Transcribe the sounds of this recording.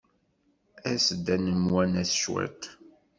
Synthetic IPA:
æsd̪ænəmwænæθʃwæ̰t̪

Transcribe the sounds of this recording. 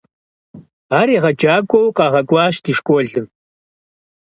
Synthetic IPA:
aːɾiːʁɐd͡ʒaːɡʷʼɔwqɑːʁɐɡʷʼɑːɕdiʃkʷʼɔɮɨm

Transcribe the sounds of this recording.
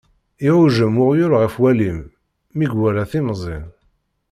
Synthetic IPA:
iʕʊʒəmʊʁjʊɾʁəfwælimː | iɡwæɾæθimzˤɪn

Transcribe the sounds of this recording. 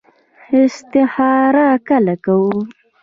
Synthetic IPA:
ɪst̪ɪhɑɾakalakawu

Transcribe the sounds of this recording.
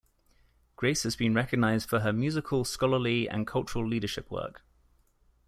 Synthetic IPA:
ɡ̥ɹeɪshəzbĩnɹɛkəɡ̚naɪzd̥fəəmjʉːzɪkʰəlˠskɒləliə̰̃nkʰʌlˠt͡ʃəɹəliːdəʃɪpʰwɜ̰ˑk

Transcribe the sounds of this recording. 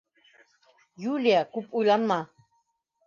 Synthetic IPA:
juljakupʼulamːa

